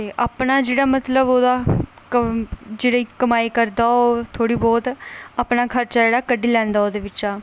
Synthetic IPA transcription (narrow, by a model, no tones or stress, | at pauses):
t̪eːʔaːpnaːd͡ʒeːɽaːmət̪ləboːd̪aː | d͡ʒeːɽaːiːkəmaːiːkəɾd̪aːot̪ʰoːɽiːbɔːt̪aːpnaːkʰəɾt͡ʃaːd͡ʒeːɽaːkəɖiːlɛ̃ːnd̪aːoːd̪eːʋɪt͡ʃaː